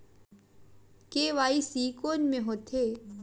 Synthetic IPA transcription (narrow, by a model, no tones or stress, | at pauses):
keːʋaːisiːkoːnmẽɦoːt̪ʰeː